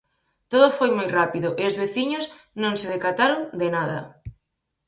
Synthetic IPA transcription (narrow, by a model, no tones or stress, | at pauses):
t̪oðofojmojrapiðoʔeozβeθiɲoz | nõŋseð̞ekat̪aɾoŋd̪enaðɐ̰